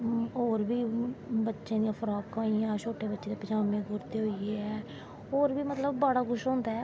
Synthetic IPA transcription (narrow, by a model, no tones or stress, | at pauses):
oːɾbʱiːbətːʃẽːd̪ijãːpʰəɾaːkãːijãːt͡ʃʰoːʈeːbətːʃeːd̪eːpət͡ʃaːmẽːɡʊɾt̪eːɦoːieːɛː | oːɾbiːmət̪ləbːaːɽaːɡʊʃɦõːnd̪aːɛː